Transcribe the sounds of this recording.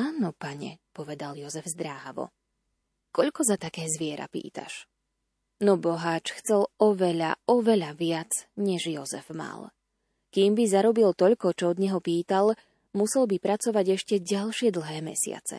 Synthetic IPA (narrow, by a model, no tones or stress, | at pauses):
aːnɔpaɲɛ̰pɔʋɛd̪aljɔzɛvzd̪ɾaːɦaʋɔ̰ | kɔʎkɔzat̪akɛːzʋɪɛɾa̰pḭːt̪a̰ʃ | nɔbɔɦaːt͡ʃxt͡sɛlɔʋɛʎa̰ɔʋɛʎaʋɪat͡sɲɛʒjɔzɛ̰vma̰l | kiːmbizaɾɔbilt̪ɔʎkɔt͡ʃɔɔd̪ɲɛɦɔpiːt̪al | musɛlbipɾat͡sɔʋaɟɛʃcɛɟalʃɪɛd̪l̩ɦɛːmɛ̰sɪa̰t͡sɛ̰